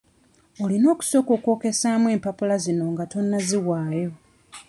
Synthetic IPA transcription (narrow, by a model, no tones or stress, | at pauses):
olino̞ːku̥so̞ːkoːko̞ːke̞saːmwe̞ːmpapulazino̞ŋɡato̞nːaziwaːjo̞